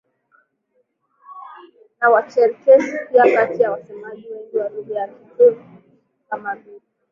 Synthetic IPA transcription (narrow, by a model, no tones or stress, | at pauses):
nawat͡ʃɛɾkɛʃipiakatijawasɛmaʄiwɛŋɡiwaɾuðɛakikuɾi | kamavili